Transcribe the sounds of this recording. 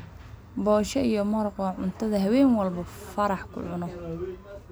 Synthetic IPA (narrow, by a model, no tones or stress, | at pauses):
bɔːʃɛijɔmɐɾɔqwɑʕʊnt̪ʰɐðɐɦɐwɛːŋwɑlbɐfɐɾɑħkʰʊ̰ʕʊnɔ